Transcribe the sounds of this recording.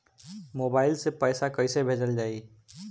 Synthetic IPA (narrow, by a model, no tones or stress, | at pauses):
moːbaːɪlsepəːsakəɪsebʱeːd͡ʒəld͡ʒaːi